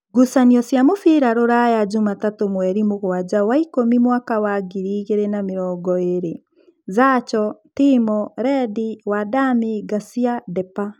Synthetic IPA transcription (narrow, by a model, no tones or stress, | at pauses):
ɡusaniɔsjamofiɾaɾoɾajad͡ʒomatatomwɛɾimoɣwad͡ʑawaikomimwakawaɡiɾiːɣeɾenameɾɔːɡɔeɾe | zat͡ʃɔtimɔɾɛdiwadamiɡasiadɛpa